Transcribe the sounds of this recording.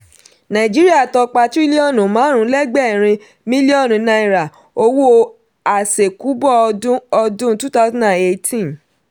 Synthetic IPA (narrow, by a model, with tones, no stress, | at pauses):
nã˨ĩ˨d͡ʒi˦ɾi˦a˦˨tɔ˧k͡pa˧ti˦li˦ɔ˦˨nũ˨mãː˨˦ɾ̃ũ˧˦lɛ˦ɡ͡bɛ˦˨ɾ̃ĩ˧ | mĩ˦li˦ɔ˦˨nũ˨˦nã˧i˧ɾa˨ | o˧wo˦ | a˨se˨ku˨˦bɔ˦˨˧dũ˦ɔ˧dũ˦tu˦ta˦snã˦˨e˨˧tĩ˦